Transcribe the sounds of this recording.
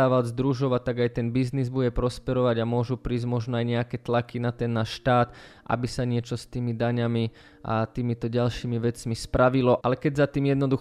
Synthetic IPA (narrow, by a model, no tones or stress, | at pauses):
aːʋazd̪ɾuʒɔʋat̪ːaɡajt̪ɛnbiznizbuɟɛpɾɔspɛɾɔʋaɟamʊɔʒupɾiːzɟmɔʒnɔajɲɛakɛt̪lakinat̪ɛnːaːʃʃt̪aːt̪ʔa̰bisaɲɪɛt͡ʃɔst̪iːmid̪aɲami | ʔa̰t̪iːmit̪ɔɟalʃiːmiʋɛt͡smispɾaʋilɔʔalɛkɛɟzat̪iːmjɛd̪nɔd̪u